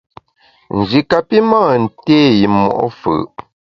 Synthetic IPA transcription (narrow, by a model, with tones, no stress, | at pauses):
n̩˨d͡ʒi˨ka˨pi˦maː˦˨n̩˨teː˦ji˨mːɔ̰˨ʔɔ̰˦fə̰˨ʔ